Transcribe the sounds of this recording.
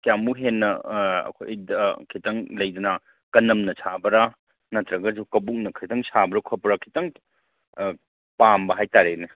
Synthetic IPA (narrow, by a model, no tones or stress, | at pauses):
kijamuɦenːɐɐ̰kʰo̰jjdɐkʰitɐŋlɐjd̪ɐnɐ | kɐnɐmnɐsʰabɐɾa | nɐt̪ɾɐɡɐd͡ʒukɐbuk̚nɐkʰitʰɐŋsʰabɐɾɐkʰɔpɐɾɐkʰitɐŋ | pambɐɦajtaɾene